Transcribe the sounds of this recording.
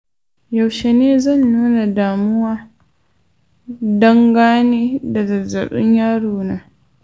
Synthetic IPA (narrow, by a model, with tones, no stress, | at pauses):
ja˨wʃe˨neː˦zɐ˦˨nːuː˦na˨daː˨mʊ˦waː˦ | dɐ˦ŋɡaː˦neː˦da˨zɐ˨zɐ̰˨ɓɪ˦ɲjaː˦ɽuː˨naː˦